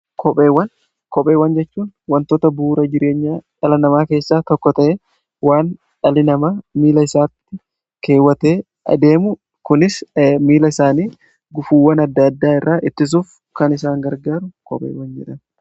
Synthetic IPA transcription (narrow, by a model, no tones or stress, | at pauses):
kʰɔpʼe̞ːwːɐn | kɔpʼe̞ːwɐnd͡ʒɛt͡ʃːuːnwɐnt̪ɔt̪ɐbuːɾɐd͡ʒɪɾe̞ːɲːaːᶑɐlɐnɐmaːke̞ːsːaːt̪ɔkːɔt̪ɐʔe | waːn | ᶑɐlɪnɐmaːmiːlɐɪsaːt̪ːɪ | ke̞ːwːɐt̪e̞ː | ɐd̪eːmʊ | kʊnɪsmiːlɐɪsaːniː | ɡʊfuːwɐnɐd̪ːɐd̪ːaːɪrːaːʔɪt̪ːɪs̬uːf | kɐnɪsaːŋɡɐɾɡaːɾʊkɔ̰pʼḛːwɐnd͡ʒɛᶑɐn